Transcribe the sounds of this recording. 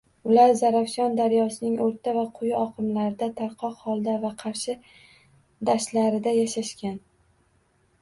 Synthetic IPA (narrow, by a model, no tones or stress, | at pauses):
ʊlaɾzaɾafʃɒnd̪aɾjɒsɪnɪŋʔoɾt̪ʰavaqʰʊjɪɒqʰɨmlaɾɪd̪at̪ʰaɾqʰɒqhɒlˠd̪avaqʰɑɾʃɪ | d̪aʃlaɾɪd̪ajaʃaʃkʲan